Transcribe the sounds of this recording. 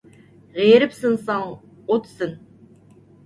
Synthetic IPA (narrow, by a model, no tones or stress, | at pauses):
ʁeɾɪpsɨnsɑŋ | ot̪sɨn